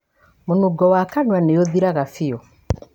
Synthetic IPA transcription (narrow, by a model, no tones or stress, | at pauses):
monuɡɔwakanwaneoðiɾaɣafiɔ